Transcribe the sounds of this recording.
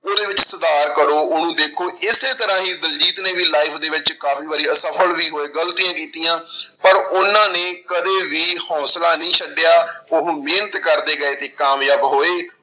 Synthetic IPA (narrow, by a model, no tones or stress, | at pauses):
oːd̪eːʋɪt͡ʃsəd̪aːɾkəɾoːʊnũːd̪eːkʰoːɪseːt̪əɾãːɦiːd̪əld͡ʒiːt̪nẽːʋiːlaːɪpʰd̪eːʋɪt͡ʃkaːfʰiːʋaːɾiːəsəpʰəlʋiːɦoːeːɡəlt̪iːjãːkiːt̪ijãːpəɾʊnãːnẽːkəd̪eːʋiːhɔ̃ːslaːnəĩːsəɖejaːʊɦmeːnət̪kəɾd̪eːɡəeːt̪eːkaːmjaːbɦoːeː